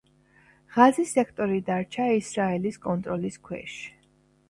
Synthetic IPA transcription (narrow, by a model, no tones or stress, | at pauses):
ʁazisɛkʰt̪ʼɔɾid̪aɾt͡ʃʰaisɾaɛliskʼɔnt̪ʼɾɔliskʰwɛ̰ʃ